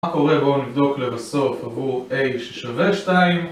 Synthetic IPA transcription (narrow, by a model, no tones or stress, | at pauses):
akɔʁɛbonivd̪oklɛvasofavueɪʃɛ̥ʃavɛʃtaim